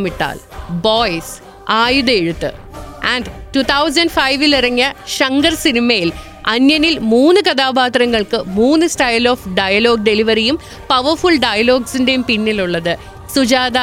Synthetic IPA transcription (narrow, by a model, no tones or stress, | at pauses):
miʈːa̰ːlboːjs | aːjuðɐeɻut̪ːɨ̰ | ɐɳɖtut̪ʰɐws̬ɐnɖfɐjʋilirɐŋːiɐɕɐŋɡɐrsinimɐjil | ɐnjɐnilmuːnːɨkɐd̪aːbaːt̪rɐŋːɐɭkɨmuːnːɨsʈɐjloːfɖɐjɐlo̞ːɡ̚ɖe̞liʋɐɾijum | pɐʋɐrfuɭɖɐjɐlo̞ːɡsinde̞jumpinːiluɭːɐðɨ | sud͡ʑaːd̪ɐ